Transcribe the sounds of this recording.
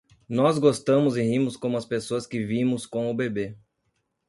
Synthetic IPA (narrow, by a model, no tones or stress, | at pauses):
nɔzɡost̪ɐ̃mʊzɪhĩmʊskõmʊɐspesoɐskɪvĩmʊskõw̃ʊbebe